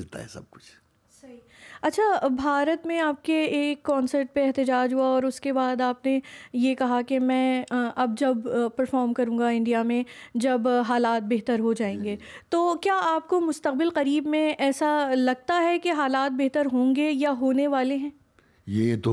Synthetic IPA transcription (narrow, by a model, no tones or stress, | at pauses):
lt̪a̰ɦɛ̰sɐb̚kʊ̥t͡ʃʰ | sɐɦi | ɐtːʃʰabʱaːɾət̪mẽaːp̚keeːkːɔ̃ːnsəɾʈ̚peɛɦt̪ɪd͡ʒaːd͡ʒɦuaɔːɾʊskebaːd̪aːpnejekɐɦakemɛ̃ːʔɐb̚d͡ʒɐbpɐɾfɔːɾmkɐɾũːŋɡaɪ̃ɳɖijamẽd͡ʒɐbɦaːlaːt̪̚beɦt̪əɾɦod͡ʒaːẽːŋɡeːt̪oːkjaːaːp̚komʊst̪əq̚bɪlqɐɾiːbmẽʔɛːsalɐɡ̚t̪aɦɛkeɦaːlaːt̪̚beɦt̪əɾɦõːŋɡejaɦoːneʋaːleɦɛ̃ː | jeːt̪o